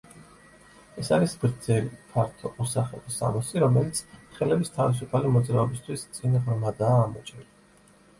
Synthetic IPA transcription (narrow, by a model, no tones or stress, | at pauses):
ɛsaɾisɡɾd̪z̥ɛlipʰaɾt̪ʰɔʔɔsaχɛ̰lisa̰mɔsiɾɔmɛlit̪sʰχɛlɛbist̪ʰavis̬upʰalimɔd̪zɾaɔbist̪ʰwist̪sʼinʁɾmad̪aːmɔt͡ʃʼɛli